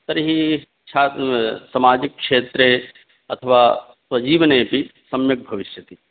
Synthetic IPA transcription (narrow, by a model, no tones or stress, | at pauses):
t̪ɐɾɦi | t͡ʃʰaːsɐmaːd͡ʒikːʃeːt̪ɾe | ɐt̪ʰəʋaː | swɐd͡ʒiːʋnejpisɐmjɐk̚bʱɐʋɪʃjɐt̪i